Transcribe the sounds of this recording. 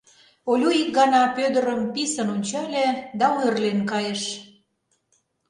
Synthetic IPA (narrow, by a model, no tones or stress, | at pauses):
olʲuik̚ɡɑnɑpød̪ə̆ɾəmpisə̆nonʲt͡ɕɑlʲĕd̪ɑuerlenkɑjeʃ